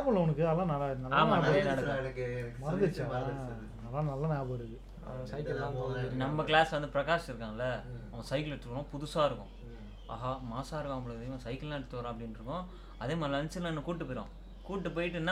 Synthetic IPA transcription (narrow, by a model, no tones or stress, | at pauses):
pɐlːɐʊnɐkːɯɐlːãːnɐlːanɐlaːmaːɐaːɽɐɐɽɐkːmɐɾɐnd̪ɯt͡ʃːɐɐ | ɐlːãːnɐlːaneːpɐɽɯɣɯ | sɐɪkːɪlaːnɐmːɐklaːsʋɐnd̪ɯpɪɾɐkaːsɪɾɯkːaːŋɡɐlːɐɐʋɐsɐɪkɪlɛʈːɾɯkːɾʊ̃pʊðʊsaːɪɾɯkːʊ̰̃ | a̰ːɦamaːsaːɪɾɯkːɐ̃ɐmːɐɭɯkðejõsɐɪkːɪlnaːʈːɯt̪oːɾãɐpːɐɽɪnɾɯkːʊ̃ | ɐðeːmaːðiɐnt͡ʃːɪnãnːɯkuːʈːɯpːoːɾõ̰ | kuːʈːɯp̬oːjɪʈːɯnːaː